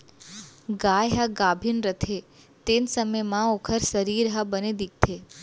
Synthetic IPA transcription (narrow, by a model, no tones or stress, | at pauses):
ɡajɦaɡabʱinɾət̪ʰe | t̪ensəməjmãokʰəɾsəɾiɾɦabəned̪ik̚t̪ʰe